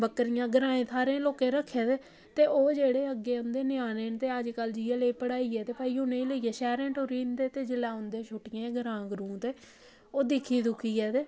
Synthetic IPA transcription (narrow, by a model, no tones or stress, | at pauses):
bəkɾɪjãːɡəɾãːẽːt̪ʰaːɾẽːloːkeːɾəkʰːeːt̪eː | t̪eːʔoːd͡ʒeːɽeːəɡːeːʊnd̪eːnɪjaːneːnt̪eːəd͡ʒkəld͡ʒiːəleːpəɽaːiːɛːt̪eːpaːiːɦʊnẽːləiːɛːsɛːɾɛ̃ːʈoɾiːnd̪eːt̪eːd͡ʒɪlaːʊnd̪eːʃʰʊʈːɪjãːɡəɾãːɡɾũːt̪eː | oːd̪ɪkʰːiːd̪ʊkʰiːɛːt̪eː